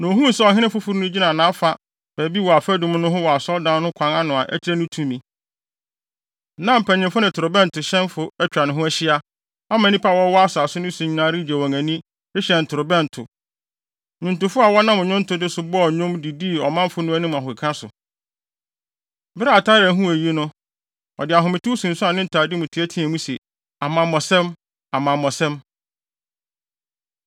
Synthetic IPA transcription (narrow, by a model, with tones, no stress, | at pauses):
nã˨o˨ɦũ˦n̩˨sɛ˦ɔ˨ɦɪ̃˦nɪ̃˦fʊ˦fu˦ɾnʊ̃˦d͡ʑi˦nã˨nãː˦fa˨ | b̥æ˨bi˦wɔ˨a˨fæ˦dʊ̃˦m˦nʊ̃˦ɦʊ˦wɔ˨a˨sɔ˦ldã˦nː˦ʊ̃˦kʷʰã˨ŋã˦nʊ̃˨a˨ʔæ̰˦t͡ɕʰɪ˦ɾæ˦nʊ̃˦tʰũ˨mĩ˨ | nã˦m̩˨pʰɛ˨ɲɪ̃˨fʊ˦nɪ̃˨tʰʊ˨ɾʊ˨bɛ̃˦n˨tʰʊ˨ɕɛ̃˦nfʊ˦ɛ˦t͡ɕᶣa˨nʊ̃˨ɦʊ̃˦æ˦ɕɪ˦a˦ | a˦mã˨nĩ˦pʰa˦wɔ˦wɔ˦a˦sʊ˨a˨sʊ˦nʊ̃˦su˨ɲĩ˨nã˦ɾi˦˨d͡ʑæ˨wɔ̃˨ŋæ̃˨nĩ˦ | ɾɪ˦ɕɛ̃˨n̩˨tʰʊ˨ɾʊ˨bɛ̃˦˨n˨tʰʊ˨ | ɲʊ̃˨n˨tʊ˨fʊ˦a˨wɔ˦nã˦mʊ̃˨ɲʊ̃˦n̩˦tʰʊ˨dɪ˦sʊ˨bɔ˦˨ɲʊ̃˦mdi˨di˦˨ɔ˨mã˦m˦fʊ˦nʊ̃˦æ˦nɪ̃˦m˨ã˨ɦʊ˨kʰã˦sʊ̰˨ | bɪ˦ɾa˦a˨tʰa˦ɾɛ˨˦ɦũ˦æ˨ji˦nʊ̃˦ | ɔ˨dɪ˨a˨ɦʊ̃˨mɪ̃˨tu˦sũ˨n̩˨sʊ˦a˨nɪ̃˦n̩˦tʰa˨dɪ˦mʊ̃˨tʰɪ˨˦æ˦tʰĩ˦æ˨mũ˦se˨ | a˨mã˨mɔ˨sɛ̃˦m | a˨mã˨mɔ̃˨sɛ̃˦m